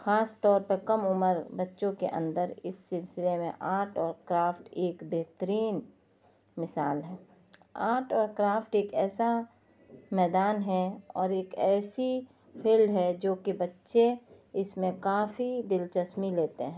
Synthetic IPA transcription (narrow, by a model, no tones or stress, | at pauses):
xaːst̪ɔːɾpəɾkɐmʊməɾbɐtːʃõkḛʔə̰̃nd̪əɾɪsːɪlsɪlemẽʔaːʈɔːɾkɾaːpʰʈeːkbɛɦt̪əɾiːn | mɪsaːlɦɛː | a̰ːʈɔːɾkɾaːpʰʈeːkɛːsa | mɛːd̪aːnɦɛɔːɾeːkɛːsi | pʰiːlɖɦɛd͡ʒoːkibɐtːʃe | ɪsmẽkaːfid̪ɪlt͡ʃəsmileːt̪eɦɛ̃ː